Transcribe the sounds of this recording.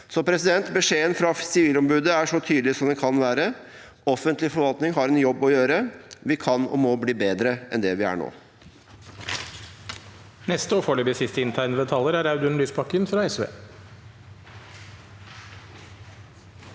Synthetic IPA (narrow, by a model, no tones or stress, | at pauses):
sɔpʰɾɛsɪd̪ɛnt̪bəʂeːənfɾɑsɪʋiːlɔmbʉːd̪əæʂɔt̪ʰyːd̪lɪsɔmd̪ɛnkʰɑnʋæːɾə | ɔfənt̪lɪfɔɾʋɑlt̪nɪŋɦɑɾɛnjɔbːɔjøːɾəʋɪkʰɑnɔ̰mɔbliːbeːd̪ɾəʔɛnd̪ɛʋɪæ̰ɳo̰ː | nɛst̪əɔːfɔːɭyːbəsɪst̪əɪnt̪ʰæɪnəbɛt̪ʰɑlːəɾæɾaʉd̪ʉnlyːsbɑkənfɾɑɛsʋḛː